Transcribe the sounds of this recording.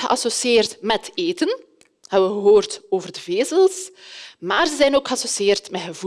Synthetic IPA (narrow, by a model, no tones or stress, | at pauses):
ɣəʔɑsosieːrtmɛteːtən | hɛbənɣəɦoːrtoːvərdəveːzəlˠsmaːrzəzɛjnoːkxəɑsosieːrtmɛɦəvu